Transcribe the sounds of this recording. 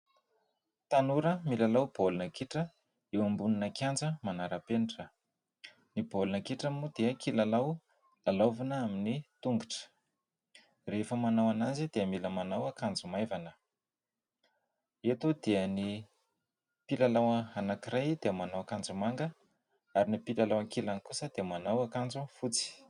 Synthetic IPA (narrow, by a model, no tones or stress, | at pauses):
t̪anuɾəmilalawb̥olunəkiʈ͡ʂə | ewambuninəkand͡zəmanaɾəpenʈ͡ʂə | nibolunəkiʈ͡ʂəmud̪eəkilalaw | lalavanəaminit̪uŋɡuʈ͡ʂə̥ | refəmanawanazid̪eəmiləmanawakand͡zumajvanə | et̪od̪eəni | pilalawəanakiɾajd̪eəmanawakand͡zumaŋɡə | aɾinipilalawaŋkilankusəd̪̥eəmanawakand͡zufut͡si̥